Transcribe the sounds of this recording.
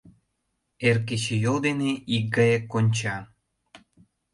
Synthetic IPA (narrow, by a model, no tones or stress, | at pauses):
erket͡ɕejold̪eneik̚ɡɑjekːonʲt͡ɕɑ